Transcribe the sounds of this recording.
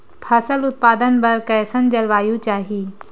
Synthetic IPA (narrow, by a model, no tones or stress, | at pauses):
pʰɐsəlʊt̪̚paːd̪ənbɐɾkɐjsənd͡ʒɐlʋaːjũt͡ʃaːɦi